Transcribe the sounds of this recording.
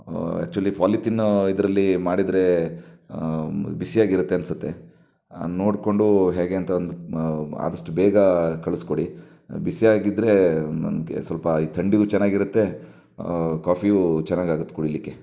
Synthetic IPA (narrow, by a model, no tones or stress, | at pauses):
ɛ̰k̚t͡ʃuɐlːipʰaːliʈinid̪ɾɐlːimaːɽid̪ɾe̞ | bisijaːɡiɾut̪ːeɐnsut̪ːe̞ | noːɽko̞ɳɖuɦeːɡe̞ɐnt̪ɐond̪ua̰ːd̪ɐʂʈubeːɡɐkɐɭusko̞ɽi | bisiaːɡid̪ɾe̞ɐ̰mkḛsʋɐlpɐiːt̪ʰɐɳɖiɡuːt͡ʃɛnːaːɡiɾut̪ːe̞ | kaːpʰiut͡ʃɛnːaːɡaːɡut̪ːe̥kuɽilːikːe̞